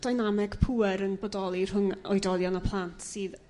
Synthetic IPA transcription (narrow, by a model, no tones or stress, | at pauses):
d̥ajnamɛɡ̥pʰuɛɾənbɔdɔlˠirɦʊŋɔ̰jdɔðjɔnəpʰlˠantʰsɨːð